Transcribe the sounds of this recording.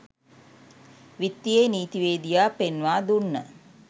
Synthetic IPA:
ʋit̪ːijeːniːt̪iʋeːd̪ijaːpenʋaːd̪unːə̰

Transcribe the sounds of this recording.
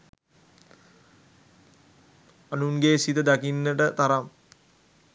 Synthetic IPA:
anuŋɡeːsit̪əd̪akinːəʈət̪aɾam

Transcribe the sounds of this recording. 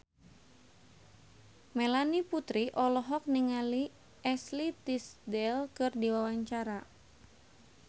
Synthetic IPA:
melaniput̪ɾiʔɔlɔɦɔk̚niŋali | ɛslit̪isdɛlkɨrdiwawaɲt͡ʃaɾa

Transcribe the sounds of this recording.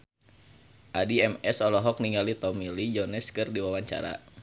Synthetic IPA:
ʔadiɛmɛsɔlɔɦɔk̚niŋɡalit̪ɔmilid͡ʒɔnɛskɨrdiwawaɲt͡ʃa̰ɾa̰

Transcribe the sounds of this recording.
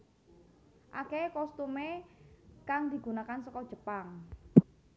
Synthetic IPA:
ʔakekɔst̪ume | kaŋd̪i̤ɡ̥ṳnakansɔkɔd̥ʒ̥ə̤paŋ

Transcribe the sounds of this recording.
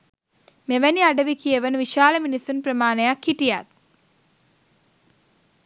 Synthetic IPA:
meʋæniaɖəʋikijeʋənʋiʃaːləminisunprəmaːnəjakhiʈija̰t̪̚

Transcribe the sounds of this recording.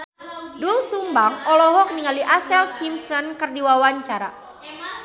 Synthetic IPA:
dulsumbaŋɔlɔɦɔk̚niŋaliʔasɛlsimsɔnkɨrdiwawaɲt͡ʃaɾa̰

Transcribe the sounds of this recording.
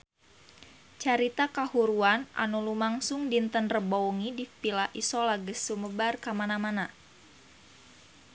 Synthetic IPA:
t͡ʃaɾit̪akahuɾuanʔa̰nulumaŋsʊŋdint̪ənrəbouŋidipilaʔisɔlaɡəsuməbarkamanamana

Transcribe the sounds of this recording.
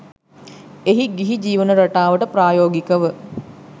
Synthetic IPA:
eɦiɡiɦid͡ʒiːʋənəɾaʈaːʋəʈəpɾaːjoːɡikəʋə

